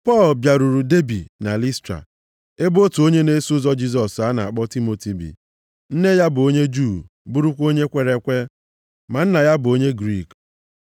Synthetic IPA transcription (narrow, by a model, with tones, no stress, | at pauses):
pɔ˦˨lbja˨ɾu˨ɾu˨de˦bi˨na˨li˦stɾa̰˨ | e˦bo˦tu˨o˦ɲe˦ne˦sʊ˦zɔ˦d͡ʒi˦zɔ˨sa˨˦na˨a˨k͡pɔ˦ti˦mo˨ti˨bḭ˨ | n̩˦ne˦ja˦bʊ˨o˦ɲe˦d͡ʒu˦˨ | bu˦ɾu˦kʷo˦ɲe˦kʷe˨ɾe˨kʷe˦ | ma˨n̩˦na˨ja˦bʊ˨o˦ɲe˦ɡɾi˦˨k